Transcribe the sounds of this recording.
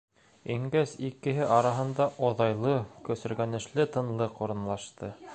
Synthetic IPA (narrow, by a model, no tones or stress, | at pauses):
iŋɡæsikɘ̆ɦɘʔɑɾɑɦɤ̆nd̪ɑʔoðɑjlˠɤkɵ̆sɵ̆ɾɡænɘ̆ʃlɘt̪ɤ̆nlˠɤquɾɤ̆nlˠɑʃt̪ɤ